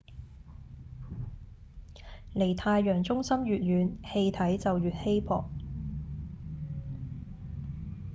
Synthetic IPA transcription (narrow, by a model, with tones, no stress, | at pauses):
le˨˩jt̪ʰaː˧jːœː˨˩ŋt͡sʊ˥ŋsɐ˥mɥyː˨t̚jyː˨˧nhe˧jt̪ʰɐ˨˥jt͡sɐ˨wjyː˨t̚he˥jpʰɔ̰ː˨k̚